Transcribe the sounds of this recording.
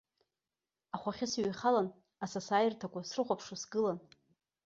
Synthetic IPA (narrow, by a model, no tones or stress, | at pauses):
aχʷaχʲɪsɥiχalan | asasaːjɪrtʰakʷʰasrɨχʷapʰʂasɡɨlan